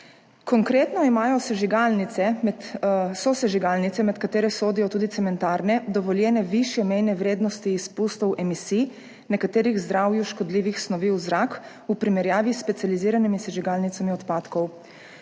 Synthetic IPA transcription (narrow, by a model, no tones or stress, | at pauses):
kɔŋkɾeːt̪nɔimaːjɔsɛʒiɡalnit̪sɛmɛt̪sɔsɛʒiɡalnit̪ɛmɛt̪kat̪eːɾɛsoːd̪ijɔt̪uːd̪it̪sɛmɛnt̪aːɾnɛd̪ɔʋɔljɛːnɛʋiʃjɛmɛjnɛʋɾeːd̪nɔst̪iːspust̪ɔwʔɛmisiː | nɛkat̪eːɾiɣzd̪ɾawjuʃkɔd̪liːʋixsnɔʋiwzɾak | upɾimɛɾjaːʋisːpɛt̪sʲjaliziːɾanimisɛʒiɡalnit̪samiɔt̪paːt̪kɔw